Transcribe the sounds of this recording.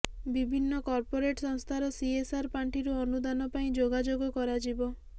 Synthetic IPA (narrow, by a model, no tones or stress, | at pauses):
bibʱinːɔkɔɾpoɾeʈsɔŋst̪ʰaɾɔsiesaɾpaɳʈiɾuɔnud̪anɔpaĩd͡ʒoɡad͡ʒoɡɔkɔɾad͡ʒibɔ